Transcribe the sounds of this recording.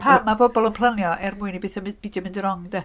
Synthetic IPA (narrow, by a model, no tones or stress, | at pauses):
pʰamabɔbɔlˠənpʰl̥ˠənjɔʔɛrmʊːɨnibɨθɔmɪbidjɔmɪndəɾɔŋdɛ